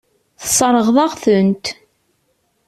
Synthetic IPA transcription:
θsˤəɾˤəʁðˤɑʁθənt̪

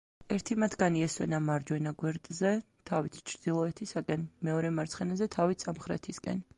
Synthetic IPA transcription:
ɛɾt̪ʰimat̪ʰɡaniɛswɛ̰namaɾd͡ʒwɛnaɡwɛɾt̪ʼzɛ | t̪ʰavit̪ʰt͡ʃʰɾd̪̥ilˠɔɛt̪ʰisakʼɛnmɛɔɾɛmaɾt̪sʰχɛnazɛt̪ʰavit̪ʰsamχɾɛ̰t̪ʰiskʼɛ̰n

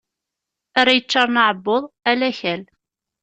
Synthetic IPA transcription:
aɾæjət͡ʃːɑɾˤnəʕəbːoðˤælæçæl

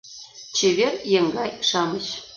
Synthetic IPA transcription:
t͡ɕeβʲerjeŋɡɑjʃɑməɕ

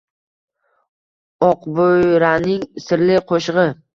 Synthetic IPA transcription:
ɒqbojɾanɪŋsɪɾlɪqʰoʃʁɨ

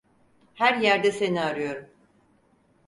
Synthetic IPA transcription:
hæɾjæɾd̪ɛsenːɾɯjo̞ɾum

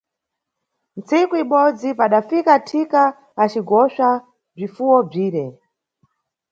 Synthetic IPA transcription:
nt͡sikuiɓɔd͡zipaɗafikatʰikaː | t͡ʃiɡɔʃa | b͡ʐifuwɔb͡ʐiːɾɛ

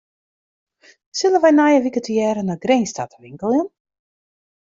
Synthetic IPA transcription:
sɪlˠənʋɛjnajəʋikətijɛːɾənaɡrejnstatəʋɪŋkəlˠɪn

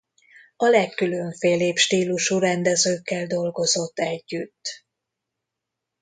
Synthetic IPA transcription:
ɒlɛkːyløɱfeːleːpʃt̪iːluʃuɾɛnd̪ɛzøːkːɛld̪o̞lɡo̞zo̞t̪ːɛɟːyt̪ː

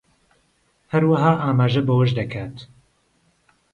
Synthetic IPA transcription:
hɐɾwɐɦaːʔaːmaːʒɐbɐwɐʒd̪ɐkʰaːt̪

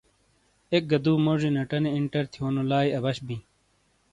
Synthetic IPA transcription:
ek̚ɡɐd̪uːmoʐinɐʈɐneiɳʈɐɾt̪ʰijoːnolaːiɐbɐɕbĩ

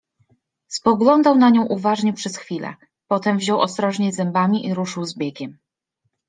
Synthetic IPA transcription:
spɔɡlɔnd̪awnaɲɔ̃w̃ʔuvaʐɲɛpʂɛsxfʲilɛ̰ | pɔt̪ɛmvʑɔwɔ̰st̪ɾɔʐɲɛzɛmbamʲiʔiɾuʂɘwzbʲjeɡʲɛm

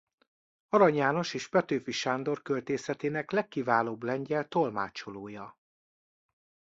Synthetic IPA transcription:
ɒɾɒɲjaːno̞ʃeːʒbɛt̪øːfiʃaːnd̪o̞rkølt̪eːsɛt̪eːnɛklɛkːivaːloːblɛɲɟɛlt̪o̞lmaːt͡ʃoloːjɒ

